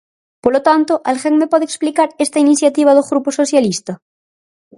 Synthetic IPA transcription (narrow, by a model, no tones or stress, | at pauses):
polot̪ant̪oʔalxeŋmepoðeksplikaɾest̪ainiθjat̪iβ̞að̞oɣɾuposoθjalist̪ɐ